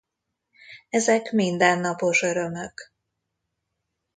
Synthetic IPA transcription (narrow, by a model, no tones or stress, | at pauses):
ɛzɛkmind̪ɛnːɒpo̞ʃø̞ɾømøk